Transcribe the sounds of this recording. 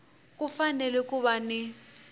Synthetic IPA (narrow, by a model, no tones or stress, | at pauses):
kʼufanɛlɛkʼuβanɪ